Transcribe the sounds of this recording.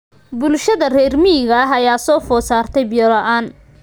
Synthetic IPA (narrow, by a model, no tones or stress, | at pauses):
bʊlʃɐðɐrɛːrmɪɣɐɦɐjaːsɔːfɔːsaːrt̪ʰɛjbɪjɔlɐʔaːn